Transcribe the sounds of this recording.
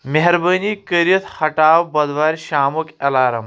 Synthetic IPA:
meɦɾbəniːkəɾjɐt̪ʰhɐʈaːwbɐd̪ʋaːɾʲɕaːmukɐlaːɾɐm

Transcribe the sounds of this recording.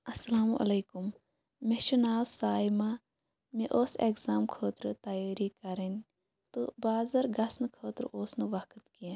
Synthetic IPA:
ɐsɐlaːmuʔɐ̰leːkum | meʃunaːwsaːjma | meʔoːsekzaːmkʰoːt̪ɾɨt̪ɐjaːɾikɐɾɐnʲ | t̪o̰baːzɐɾɡɐsnɨkʰoːt̪ɾʔoːsnɨʋɐkʰt̪kijẽ

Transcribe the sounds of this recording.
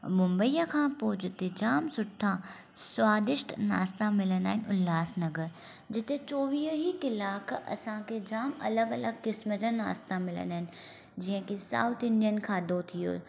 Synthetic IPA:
mʊ̃mbəiːjakʰãpoːd͡ʑɪt̪ed͡ʑaːmsʊʈʰːã | swaːd̪ɪʃʈna̰ːst̪amɪlənaːɦɪnɪ̆ʊlːaːsnɐɡəɾ | d͡ʑɪt̪et͡ʃoːʋiːɦɦikɪlaːkʰɐ̰sãkʰed͡ʑaːmɐ̰ləɡɐləɡ̚kɪsməd͡ʑãna̰ːst̪amɪlə̰naːɦɪn | d͡ʑiːɦə̃kisa̰ːʊt̪ʰɪ̃ɳɖijənkʰaːd̪ot̪ʰijo̰ː

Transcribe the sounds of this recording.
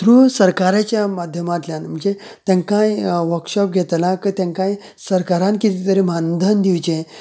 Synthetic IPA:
t̪ɾusəɾkaɾat͡ɕjamad̪ʱjəmat̪ljanm̤əd͡ʑe | t̪jãŋkajʋəɾkʂɔp̚ɡʱet̪lakət̪ãŋkãj | səɾkaɾankit̪it̪əɾemand̪ʱənd̪iwt͡ɕẽ

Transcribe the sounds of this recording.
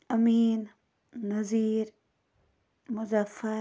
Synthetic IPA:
ɐmiːnː | ɐziːɾ | mʊzafɐ

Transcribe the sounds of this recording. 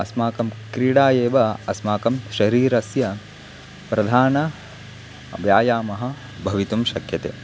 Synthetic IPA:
ɐsmaːkɐmkɾiːɽaːjeːʋɐɐsmaːkɐmʃɐɾiːɾɐsjɐ | pɾɐd̪ʱaːnɐ | bjaːjaːmɐɦɐ̆ | bʱɐʋit̪umʃɐkjɐt̪ḛː

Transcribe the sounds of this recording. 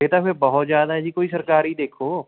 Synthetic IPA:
et̪aebɐɦʊt̪zjaːd̪aɦɛd͡ʒiːkoːisɐɾkaːɾid̪eːkʰoː

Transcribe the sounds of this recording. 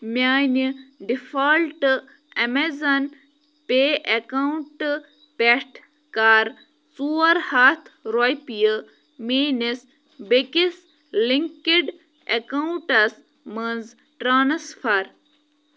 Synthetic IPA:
mʲaːniɖifɐlʈɨ | ɐmezɐn | peʔɐkawuɳʈɨ | peʈʰ | kaːɾ | suːɐɾhat̪ʰɾojpijə | meːnis | bekis | liŋkiɖ | ekawuɳʈɐs | mənz | ʈɾaːnsfʰɐɾ

